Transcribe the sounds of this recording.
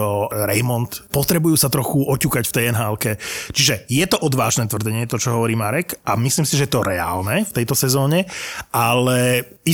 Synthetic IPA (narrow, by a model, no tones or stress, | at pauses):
ɔɾɛjmɔnt̪pɔt̪ɾɛbujuːsat̪ɾɔxuɔcuːkacft̪ɛjɛnɦaːlkɛt͡ʃiʒɛjɛt̪ɔʔɔd̪ʋaːʒnɛːt̪ʋr̩d̪ɛɲɛt̪ɔt͡ʃɔɦɔʋɔɾiːmaɾɛkʔamisliːmsiʒɛjɛt̪ɔɾɛa̰ːlnɛft̪ɛjt̪ɔsɛzɔːɲɛʔalɛi